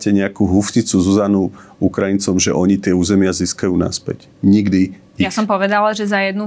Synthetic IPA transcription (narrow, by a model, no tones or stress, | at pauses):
cɛɲɛakuɦufɲit͡suzuzanuukɾajint͡sɔmʒɛʔɔɲit̪ɪɛuːzɛmɪaziːskajuːna̰spɛ̰c | ɲiɡd̪i | ijasɔmpɔʋɛd̪alaʒɛzajɛd̪nu